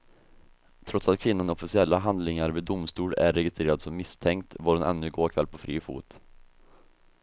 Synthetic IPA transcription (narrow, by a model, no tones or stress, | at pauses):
t̪ʰɾɔt̪sat̪̚kʰvɪnːanɔfɪsɪɛlːaɦand̪lɪŋaɾviːd̪ʊmst̪uːlæ̰ɾːɛɡɪst̪ɾeːɾad̪sɔmːɪst̪ʰɛŋkt̪vɔːɖɛnʔɛ̰nːɵɡoːkʰvɛlːpʰɔfɾḭːfṵːt̪